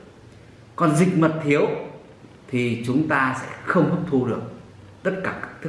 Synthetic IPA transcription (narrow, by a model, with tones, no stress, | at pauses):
kɔ˨˩nzï˨˩k̟̚mə˨˩t̚t̪ʰi˨˦əw | t̪ʰi˨˩t͡ɕʊ˨˦ŋ͡mt̪aː˧sɛ̰˧˥xə˧wŋ͡mhu˦˥p̚t̪ʰu˧ɗɨ˨˩ək̚ | t̪ə˦˥t̚kaː˧˩kaː˦˥k̚t̪ʰɨ˦˥